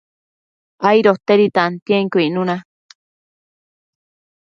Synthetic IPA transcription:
ajɾot̪eɾit̪ant̪jeŋkuinũnã

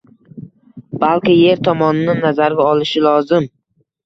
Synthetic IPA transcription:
b̥alkʲɪje̞ɾt̪ʰɒmɒnɪnɪnːazaɾɡʲaɒlɪʃɪlɒzɪm

